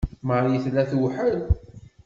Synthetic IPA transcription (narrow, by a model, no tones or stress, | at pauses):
məɾjəθlæθwħəl